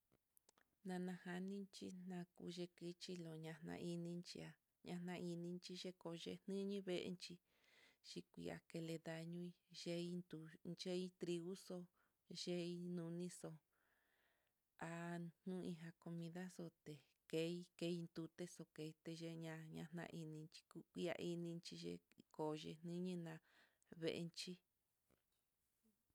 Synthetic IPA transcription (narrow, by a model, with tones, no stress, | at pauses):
nã˧nã˧ha˧nĩ˦nt͡ʃi˦nã˧kṵ˧ʒe˧ki˧t͡ʃi˧lo˨ɲã˧nã̰˧ʔi˧nĩ˧nt͡ʃḭ˧a˧ | ɲã˧nã˧ʔi˧nĩ˧nt͡ʃi˧ʒe˦ko˧ʒḛ˧nɨ̃˦ɲĩ˦βe˧ʔḛ˧nt͡ʃi˧ | ʃi˧kʷḭ˧a̰˨ke˧le˧ða˧ɲũ˦i˧ʒe˦i˦nd̪u˧nt͡ʃe˦i˦t̪ɾi˧ɣu˦so˧ | ʒe˦i˧nũ˧nĩ˦so˧ | a˧n̥ũ˦ĩ˧ɦã˧ko˧mĩ˧ða˦so˧t̪e˨ | ke˧˦i˦ke˧˦i˧nd̪u˧t̪e˦so˧ke˧i˧t̪e˧ʒe˧ɲã˧ɲã̰˧n̥ã̰˧ʔi˧nĩ˧nt͡ʃi̥˧ku˦kʷi˧˦a̰˧ʔi˧nĩ˧nt͡ʃi˧ʒḛ˧ko˨ʒḛ˧n̥nĩ˦ɲĩ˦nã˧ | βḛ˧ʔḛ˧nt͡ʃi˦